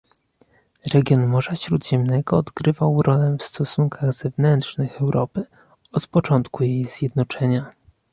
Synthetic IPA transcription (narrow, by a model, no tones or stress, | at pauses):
ɾɛɡʲjɔnmɔʐaɕɾud̪ʑɛmnɛɡɔːd̪ɡɾɘvawɾʔɔlɛfst̪ɔsuŋkʰaɣzɛvnɛnt̪ʂnɘxɛwɾʔɔpɘ | ɔt̪pɔt͡ʂɔnt̪kujejz̥ʲjɛd̪nɔt͡ʂɛɲa